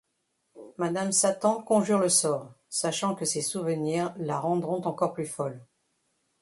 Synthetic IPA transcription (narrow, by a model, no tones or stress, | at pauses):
mad̪amsat̪ɑ̃kɔ̃ʒyʁləsɔːʁ | saʃɑ̃kəsesuvəniʁlaʁɑ̃d̪ʁɔ̃t̪ɑ̃kɔʁplyfɔl